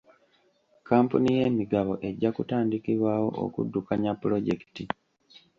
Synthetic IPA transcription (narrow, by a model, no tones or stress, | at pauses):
kaːmpunije̞ːmiɡaβo̞ʔe̞ɟːakutaːndikiβwaːwo̞̰ʔo̰kṵdːukaɲapːuɾo̞ɟe̞ki̥ti